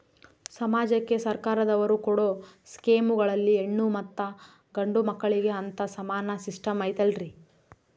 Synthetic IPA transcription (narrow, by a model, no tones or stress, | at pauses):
sɐmaːd͡ʒɐkːe̞sɐɾkaːɾɐd̪ɐʋɐɾukɔɽoːskeːmuɡɐɭɐlːieɳːumɐt̪ːɐ | ɡɐɳɖumɐkːɐɭiɡe̞ɐnt̪ɐsɐmaːnɐsisʈɐmɐjt̪ɐlɾi